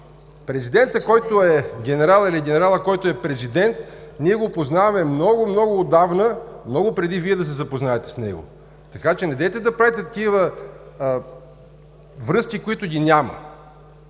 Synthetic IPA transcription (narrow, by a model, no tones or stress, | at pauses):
pɾɛzid̪ɛnt̪əkɔjt̪oɛɡʲɛnɛɾalˠiliɡʲɛnɛɾalˠəkɔjt̪oɛpɾɛzid̪ɛnt̪niɛɡopoznavɐmɛmnɔɡʊmnɔɡʊːd̪avnəmnɔɡʊpɾɛd̪iviɛd̪ɐs̬ɛzɐpoznaɛt̪ɛ̥snɛ̰ɡʊ̰ | t̪ɐkat͡ʃɛnɛd̪ɛt̪ɛd̪ɐpɾavɛt̪ɛt̪ɐkivə | vɾɤskʲikoit̪ʊɡʲinʲamə̰